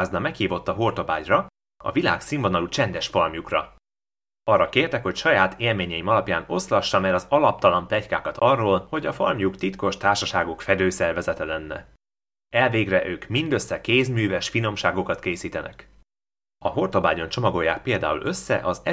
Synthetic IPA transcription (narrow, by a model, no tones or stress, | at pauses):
znɒmɛkhiːvo̞t̪ːɒɦo̞rt̪o̞ba̰ːɟrɒ | ɒ̰vila̰ːksiɱvo̞nɒlut͡ʃɛnd̪ɛʃfɒrmjukrɒ̰ | ɒrːɒkeːrt̪ɛkho̞cʃɒjaːt̪ʰeːlmeːɲɛimɒlɒpjaːno̞̰slɒʃːɒmɛɾɒzɒlɒp̚t̪ɒlɒnt̪ɛckaːkɒt̪ʰɒrːoːlho̞ɟɒfɒrmjukt̪it̪ko̞ʃt̪aːrʃɒʃaːɡokfɛd̪øːsɛrvɛzɛt̪ɛlɛnːɛ̰ | ɛlveːɡrɛʔøːkmind̪ø̞sːɛkeːzmyːvɛʃfino̞mʃaːɡo̞kɒt̪keːsiːt̪ɛnɛ̰k | ɒɦo̞rt̪o̞baːɟo̞nt͡ʃo̞mɒɡo̞jːaːk̚peːld̪aːṵlʔø̞sːɛ̰ʔɒzɛ